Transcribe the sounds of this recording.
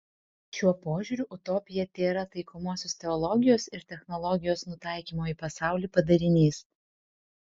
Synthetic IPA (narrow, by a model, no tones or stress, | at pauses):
ʃʲuɔpoːʒʲʊɾʲʊʔʊt̪ɔpʲɪjɛt̪ʲeːɾɐt̪ɐɪkɔmoɔsʲoːst̪ʲɛɔlˠɔɡʲɪjoːsɪɾt̪ʲɛxnɔlˠɔɡʲɪjoːsnʊt̪ɑˑɪkʲiːmoːiːpɐsɑˑʊlʲiːpɐd̪ɐɾʲɪnʲiːs